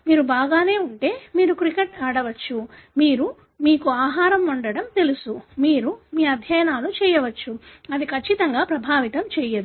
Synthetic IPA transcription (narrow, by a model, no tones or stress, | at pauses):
miːɾubaːɡaːne̞ːuɳʈe̞ːmiːɾukɾikeʈaːɽɐʋɐt͡ʃːumiːɾu | miːkuaːɦaːɾɐmuɳɖɐɽɐmt̪e̞lusumiːɾumiːɐd̪ʱjɐjɐnaːlut͡ʃɛːjɐʋɐt͡ʃːuɐd̪ikʰɐt͡ʃːit̪ɐŋɡaːpɾɐbʱaːʋit̪ɐmt͡ʃɛːjɐd̪u